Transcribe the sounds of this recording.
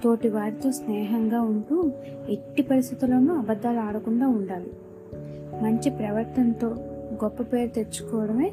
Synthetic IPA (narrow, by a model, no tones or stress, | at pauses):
t̪o̞ːʈiʋaːɾit̪o̞ːsnɛːɦɐŋɡaːuɳʈuːe̞ʈːipɐɾis̬t̪it̪ulɐnuɐbɐd̪ːaːluaːɽɐkuɳɖaːuɳɖaːli | mɐɲt͡ʃipɾɐʋɐɾt̪ɐnt̪o̞ːɡɔpːɐpe̞ːɾut̪e̞t͡ʃːu̥kɔːʋɐɽɐme̞ː